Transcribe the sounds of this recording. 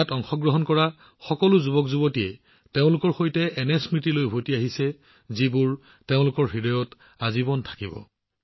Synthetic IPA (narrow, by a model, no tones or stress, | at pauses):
atɔŋxɔɡɹɔɦɔnkɔɹa | xɔkɔlʊzubɔkzubɔtijɛ | teʊ̃lʊkɔɹxojtɛʔɛnɛsmɹitilojbʱotiaɦisɛ | zibʊɹ | teʊ̃lʊkɔɹɦidɔjɔt | azibɔntʰḁkibɔ̰